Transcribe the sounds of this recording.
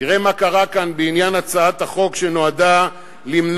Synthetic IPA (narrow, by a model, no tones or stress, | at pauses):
iʁemakaʁakanbeinjanat͡saat̪haχo̞kʃeno̞ada | limn